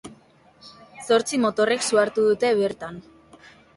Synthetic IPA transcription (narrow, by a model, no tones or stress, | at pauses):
so̞ɾt͡simo̞t̪o̞re̞ksuaɾt̪uðut̪e̞βe̞ɾt̪an